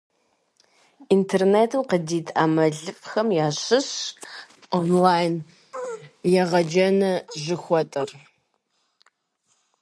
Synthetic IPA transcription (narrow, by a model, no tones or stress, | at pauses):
intʰerneːtʰɨmqədiːtʰʼaːmɐɮɨfʼxɐmjaːɕɪɕ | onlaːjn | jɛʁɐd͡ʒɐnɐʒɪxʷɔtʼɐr